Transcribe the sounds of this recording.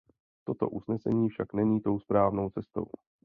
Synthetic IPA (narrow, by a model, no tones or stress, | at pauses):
t̪o̞t̪o̞̰ʔusnɛsɛ̰ɲiːfʃaknɛɲiːt̪o̞wspɾaːvno̞wt͡sɛst̪o̞̰w